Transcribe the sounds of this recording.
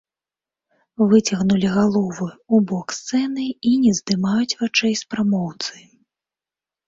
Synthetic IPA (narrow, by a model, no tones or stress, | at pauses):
vɨt͡sʲɐɣnulʲiɣalˠɔvɨubɔkst̪sɛnɨinʲɛzd̪ɨmajut͡sʲvat͡ʂɛjspɾamɔwt̪sɨ